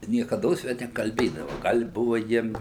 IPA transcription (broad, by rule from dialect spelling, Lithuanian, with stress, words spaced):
nʲiɛkɐˈdoːs ˈʋʲɛ nʲɛkɐlʲˈbʲeːdɐʋɐ ˈɡɐlʲ ɪ ˈbʊʋɐ ˈjiɛm